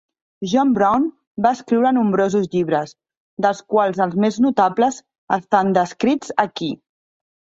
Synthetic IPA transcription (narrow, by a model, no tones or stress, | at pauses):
ʒɔmbɾawn | baəskɾiwɾənumbɾozuzʎiβɾəz | d̪əlˠskwalˠzəlˠzmeznut̪apləz | əst̪and̪əskɾid͡zəki